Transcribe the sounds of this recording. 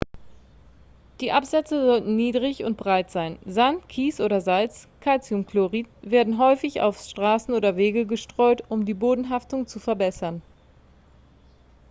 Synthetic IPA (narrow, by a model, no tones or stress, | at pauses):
d̥iːʔapz̥ɛt͡səzɔltn̩niːdʁɪçʊnt̚b̥ʁaɪtz̥aɪnzantkʰiːsʔoːɾɐzalt͡skʰalt͡sjʊnkloʁiːtveːɐdn̩ɦɔʏfɪça̰ʊfʃtʁ̥aːsn̩oːdɐveːɡəɡəʃtʁ̥ɔʏtʊmdiːboːdn̩ɦaftʊŋt͡sufɛɐbɛsɐn